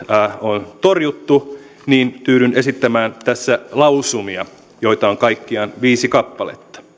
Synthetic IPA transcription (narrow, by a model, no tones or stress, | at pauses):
æːont̪orjut̪ːu | niːnt̪yːɾynesit̪ːæmæːnt̪æsːælɑulusumiɑ | jo̞it̪ɑoŋkɑikːiɑnʋiːsikɑpːɑlḛt̪ːɑ̥